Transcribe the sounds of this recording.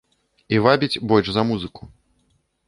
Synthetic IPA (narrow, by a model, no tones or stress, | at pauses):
ivabʲit͡sʲbɔlʲʂzɐmuzɨku̥